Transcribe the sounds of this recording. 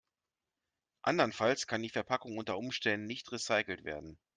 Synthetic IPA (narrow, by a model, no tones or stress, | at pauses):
ʔa̰ndɐnfalskʰandiːfɛɐpʰakʊŋʔʊntɐʔʊmʃtɛndn̩nɪçtʁisaɪkl̩tv̥ḛːɐdn̩